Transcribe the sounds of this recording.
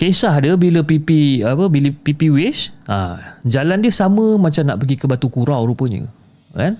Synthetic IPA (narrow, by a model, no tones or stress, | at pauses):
kesaɦdəbiləpipiapəbiləpipiwet͡ʃʔa̰d͡ʒalandiəsamə̃mãt͡ʃamna̰ʔpəɡikəbat̪ukuɾawɾupəɲə̰ | kan